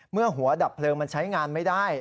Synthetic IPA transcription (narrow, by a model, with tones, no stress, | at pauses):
mɯ˥˩ɐɦu˩˦ɐda˨˩pʰlɤː˧ŋma˧nt͡ɕʰa˦˥jŋaː˧nma˥˩jdaː˥˩j